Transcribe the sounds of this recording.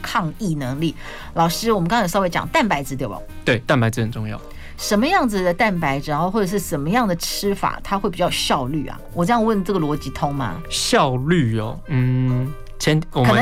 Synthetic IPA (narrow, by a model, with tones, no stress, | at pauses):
kʰɑ˥˧ŋi˥˩nɤ˧˥ŋli˥˨˩ | lɑ˨˩ʊʂɻ̩˥wɔ˨˩mə˦kɑ˥ŋʰ˨˩sɑ˥ʊwe˥ɪt͡ɕjɑ̰˨˩ŋt̪a˥˩npa˧˥ɪd͡zɹ̩˧t̪e˥˩ɪa̰˨˩t̪we˥˩ɪt̪a˥˩npa˥ɪt͡s̩˧hə˨˩nʈ͡ʂʊ˥˧ŋjɑ̰˥˩ʊ | ʂə˧˥nmə˧jɑ˥˩ŋd͡zɨ˩d̪ə˩t̪a˥˩npa˧˥ɪʈ͡ʂ̩˨˩o˥˧xwɔ˥˩ʈ͡ʂə˨˩ʂɻ̩˥˩ʂə˧˥nmə˧jɑ˥˩ŋd̪ə˩ʈ͡ʂʰɻ̩˥fa̰˨˩t̪ʰa˥xwe˥˩ɪpi˨˩t͡ɕjɑ˥˧ʊɕjɑ˥˧ʊly̰˥˩ɐ̰˩wɔ˨˩ʈ͡ʂjɑ˥˩ŋwə˥˧nʈ͡ʂɤ˥˩ɡə˩lwɔ˧˥t͡ɕi˧˥t̪ʰʊ˥ŋma̰˨ɕjɑ˥˧ʊly˥˩ɔ˨˩n̩˥˩ | t͡ɕʰjɛ˧˦nwɔ˨kə˨˦ə˦